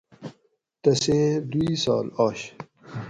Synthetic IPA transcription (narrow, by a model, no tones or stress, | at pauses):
t̪ɐseːd̪uiːsa̰ːlaːɕ